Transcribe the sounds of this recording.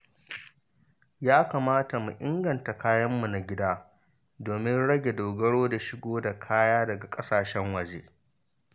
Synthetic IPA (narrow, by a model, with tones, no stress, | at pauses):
jaː˦kaː˨maː˦ta˨mu˨ʔɪ˦ŋɡɐ˨nta˨kaː˦jɐ˦mːu˨na˨ɡʲɪ˦daː˦ | doː˨mɪ˦nɽɐ˦ɡʲe˨doː˨ɡɐ˦ɽoː˦da˨ʃɪ˦ɡʷoː˦da˨kʰaː˦jaː˦dɐ˨ɡa˨kʼɐ˦saː˨ʃɛ˦ŋwɐ˨d͡ʒeː˦